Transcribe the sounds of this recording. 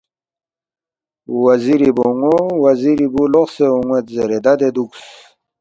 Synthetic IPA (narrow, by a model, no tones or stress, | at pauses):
wɐziɾiboŋowɐziɾibuloχseuŋwet̪zeɾed̪ad̪ed̪uks